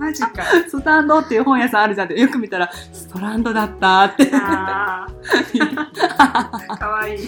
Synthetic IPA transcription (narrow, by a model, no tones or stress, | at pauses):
maikasot̪ãnd̪ot̪ːejɯ̟hõɰ̃jasãaɾɯ̟d͡ʑanak̪̚t̪jo̞kɯ̟mʲit̪aɾast̪oɾãnd̪o̞d̪at̪ːat̪ːe | iakaai